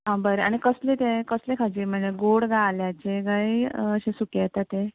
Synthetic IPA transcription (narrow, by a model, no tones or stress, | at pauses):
ɦãbəɾeaɽ̃ikəslet̪ẽkəslekʰad͡ʑiːm̤əɳd͡zeɡoɽɡaljat͡ɕeɡaiəɕẽsukjat̪at̪ẽ